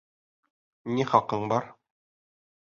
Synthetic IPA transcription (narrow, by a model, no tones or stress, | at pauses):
niχɒqɤɴbɒɾ